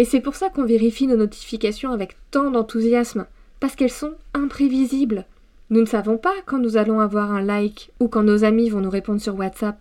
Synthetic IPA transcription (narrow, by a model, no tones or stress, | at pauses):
esɛpuʁsakɔ̃veʁifinonɔt̪ʰi̥fikʲasjɔ̃avɛkt̪ɑ̃d̪ɑ̃t̪uzjasm | paʁsə̥kɛlsɔ̃ɛ̃pχevizibl | nunəsavɔ̃pakɑ̃nuzalɔ̃avwaʁɛ̃lajkukɑ̃nozamivɔ̃nuʁepɔ̃d̪ʁsyʁwat̪sap̚